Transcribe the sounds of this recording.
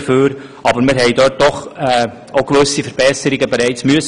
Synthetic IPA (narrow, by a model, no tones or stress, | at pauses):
føːɾ | ɑbəɾmɪɾɦɛɪdɔt̚d̥ɔχɛ | oʊɡ̥ʋɵsifəɾb̥ɛsəɾɪɡəbeɾæɪt͡smyəs